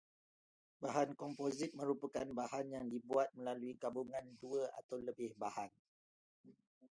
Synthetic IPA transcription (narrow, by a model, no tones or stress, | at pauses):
baɦankɔmpozit̪̚mə̃ɾupakanbahanjaŋdibuat̪̚mə̃laluiɡabuŋãnduəa̰t̪awləbɪhbahan